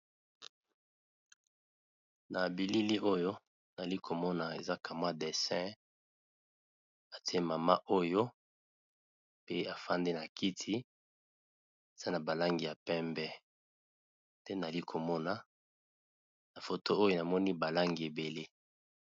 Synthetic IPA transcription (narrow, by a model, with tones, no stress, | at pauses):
na˨bi˨li˦li˦ʔo˦jo˦ | na˨li˦kʰo˨mɔ˦na˨e˨za˦kʰa˨m˦a˦de˨sɛ̃˦ | a˨ti˦e˦ma˨ma˦ʔo˦jo˦ | pe˦a˨fa˦nde˦na˨ki˦tʰi˦ | e˨z̥a˦na˨ba˨la˦ŋɡi˨ja˨pɛ˦mbɛ˦ | tɛ˦na˨li˦kʰo˨mɔ˦na˨ | na˨fo˨to˦o˦jo˦na˨mɔ˦ni˦ba˨la˦ŋɡi˨e˨be˨le˦